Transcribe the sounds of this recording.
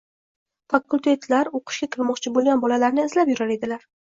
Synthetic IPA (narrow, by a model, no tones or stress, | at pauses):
fakːulʲt̪ʰe̞t̪ʰlaɾoqʰɨ̥ʃkʲakʲʰɪlˠmɒqt͡ʃʰɪbolˠɡʲanbɒlalaɾnɪːzlapjʊɾaɾe̞d̪ɪlaɾ